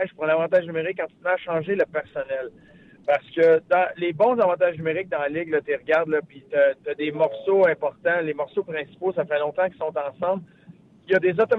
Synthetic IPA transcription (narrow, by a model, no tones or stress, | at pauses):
ʒpuʁɛ̃navɑ̃t̪aʒnymeʁɪkɑ̃t̪vnãaʃɑ̃ːʒeləpɛʁsɔnɛl | paʁsə̥kʲəd̪ɑ̃lebɔ̃zavɑ̃t̪aʒnymeʁɪk̚d̪ɑ̃lalɪɡlət̪eʁɡʲaʁd̪lʌpit̪at̪ɐd̪emɔʁsoɛ̃pɔʁt̪ãlemɔʁsopʁɛ̃si̥posafɛlɔ̃t̪ãkʲi̥sɔ̃t̪ɑ̃sɑ̃bl | jəd̪ezɔt̪ɔ